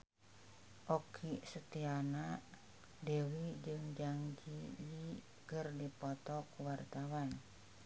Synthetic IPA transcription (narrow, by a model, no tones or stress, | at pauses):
ʔɔkʰisət̪iana | dewid͡ʒɨŋd͡ʒaŋd͡ʒiji | kərdipɔt̪ɔkuwart̪awan